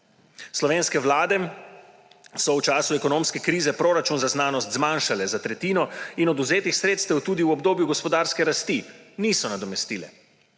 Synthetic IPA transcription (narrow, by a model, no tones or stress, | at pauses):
slɔʋeːnskɛʋlaːd̪ɛ | sɔwt͡ʃaːsuɛkɔnoːmskɛkɾiːzɛpɾoːɾat͡ʃunzaznaːnɔst̪zmanʃalɛzat̪ɾɛt̪iːnɔinɔd̪uzeːt̪ixsɾeːt̪st̪ɛwt̪uːd̪iwɔbd̪oːbjuɡɔspɔd̪aːɾskɛɾast̪iniːsɔnad̪ɔmɛst̪iːlɛ̰